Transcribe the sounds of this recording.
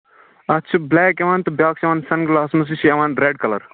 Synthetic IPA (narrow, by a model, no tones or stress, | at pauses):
ɐt͡ʃʰublɛːkeʋaːnt̪ɨbʲjaːksɐʋaːnsɐnɡlaːsmɐs̬iʃɐʋaːnɾeːɖ̚kɐlɐ̰ɾ